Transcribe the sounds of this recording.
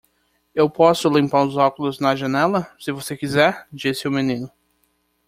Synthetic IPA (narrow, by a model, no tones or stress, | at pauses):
ewpɔsʊlẽmpaɾʊzɔkʊlʊznɐʒɐnɛlɐsɪvosekizɛɾd͡ʒisɪʊmĩnĩnʊ